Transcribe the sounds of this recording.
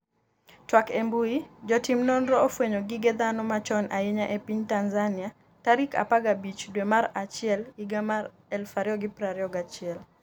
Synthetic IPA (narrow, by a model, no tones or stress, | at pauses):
twakembuid͡ʒɔtimnɔnɾɔofweɲoɡɪɡed̪anɔmat͡ʃɔnʔaeɲaʔepiɲtanzanɪa | taɾika̰paɡabit͡ʃdwemaɾat͡ʃɪɛliɡamaɾ | ɛlfaɾjɔɡɪpɾaɾjɔɡat͡ʃɪɛl